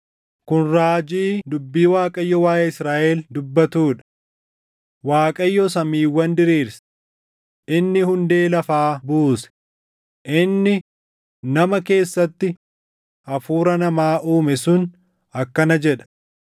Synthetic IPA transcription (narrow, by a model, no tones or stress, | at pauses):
kʊnɾaːd͡ʒiːd̪ʊbːiːwaːkʼɐjːɔwaːjɐɪsɾaːʔɛld̪ʊbːɐt̪uːᶑɐ̥ | waːkʼɐjːɔsɐmiːwːɐnd̪ɪɾiːɾsɛ̥ | ʔɪnːɪhʊnd̪e̞ːlɐfaːbuːsɛ̥ | ʔɪnːɪ | nɐmɐke̞ːsːɐt̪ːɪ | ʔɐfuːɾɐnɐmaːʔuːmɛsʊn | ɐkːɐnɐd͡ʒɛᶑɐ̥